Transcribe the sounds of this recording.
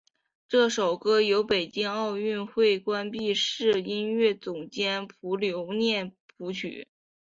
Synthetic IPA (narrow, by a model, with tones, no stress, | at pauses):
ʈ͡ʂɤ˥˩ʂo˨˩ʊkɤ˥jo˧˥ʊpe˨˩ɪt͡ɕi˥ŋɑ˥˧ʊy˥˧nxwe˥˩ɪkwa˥npi˥˧ʂɻ̩˥˩i˥nɥɛ˥˩t͡sʊ˨˩ŋt͡ɕjɛ˥npʰu˧˥ljo˧˥ʊnjɛ˥˩npʰu˧˥t͡ɕʰy̰˨˩˦